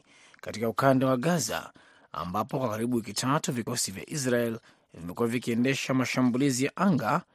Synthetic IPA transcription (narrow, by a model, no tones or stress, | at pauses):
katikaukandawaɠaza̰ | a̰mbapɔkwakaɾiɓuwikitʰatuvikɔsivja̰ʔis̬ɾaɛl | vimɛkuwavikiɛndɛʃamaʃambulizijaʔaŋɡa